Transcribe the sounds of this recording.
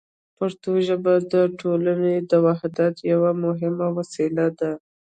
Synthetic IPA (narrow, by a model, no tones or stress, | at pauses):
pəɾt̪oʒəbad̪əʈʰolaned̪əwahd̪at̪jawamʊɦɪmawasilad̪a